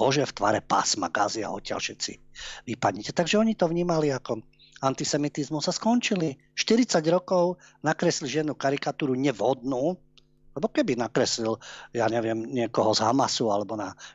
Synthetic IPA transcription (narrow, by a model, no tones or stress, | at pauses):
ɔʒɛft̪ʋa̰ɾɛpa̰sma̰ɡa̰zia̰ɔtcɪa̰lfʃɛt̪t͡sḭʋipadɲɛcɛt̪aɡʒɛɔɲit̪ɔʋɲiːmaliakɔ | ant̪isɛmit̪izmusːaskɔnt͡ʃili | ʃt̪iɾit͡saɟɾɔkɔʊnakɾɛsiliʒɪɛnuːkaɾikat̪uːɾuɲɛvɦɔd̪nuː | lɛbɔkɛbinakɾɛsliljaːɲɛʋɪɛmɲɪɛkɔɦɔzɦamasualɛbɔna